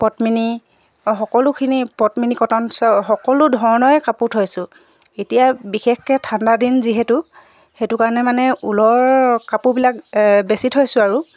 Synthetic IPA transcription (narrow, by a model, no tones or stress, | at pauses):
pɔtmini | xɔkɔlʊkʰinipɔtminikɔtɔnsɔxɔkɔlʊdʱɔɹnɔjɛkaputʰojsʊ | etijabixexkɛtʰandadinziɦɛtʊ | xetʊkaɹnɛmanɛulɔɹkapubilak̚besitʰojsʊaɹu